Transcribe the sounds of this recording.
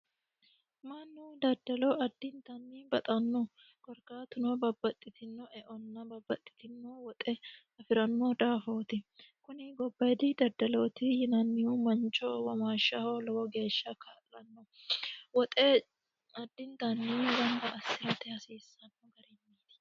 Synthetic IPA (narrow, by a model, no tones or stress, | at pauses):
manːud̪ɐd̪ːɐlɔʔɐd̪ːɪnt̪ɐnːɪbɐt̪ʼɐnːɔ | ɡ̥ɔɾkaːt̪ʊnobɐbːɐt̪ʼːɪt̪ɪnːɔʔɛʔɔnːɐbɐbːɐt̪ʼːɪ̥t̪ɪnːowɔt̪ʼɛ | ɐfɪɾɐnːod̪aːfoːt̪ɪkʊnɪɡɔbːɐjd̪ɪd̪ɐd̪ːɐlot̪ɪjɪnɐnːɪumɐnt͡ʃːɔwɐmaːʃːɐhɔlɔwɔɡe̞ːʃːɐkʰaːlːɐnːɔwɔt̪ʼɛ | ɐd̪ːɪnd̪ɐnːɪbɐnd̪ɐʔɐsɪɾɐt̪ɛjɐsiːsːɐnːɔɡɐɾɛmːiːt̪ɪ̥